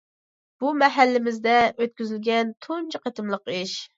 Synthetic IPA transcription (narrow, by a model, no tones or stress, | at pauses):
b̥umɛɦælːɪmɪzd̪ɛøt̪̚kʲyzylɡʲɛnt̪ʰont͡ʃʰiqɑt̪ʰɨmlˠəqiʃ